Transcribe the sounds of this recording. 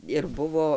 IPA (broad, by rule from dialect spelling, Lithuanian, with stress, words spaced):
ɪr ˈbʊʋoː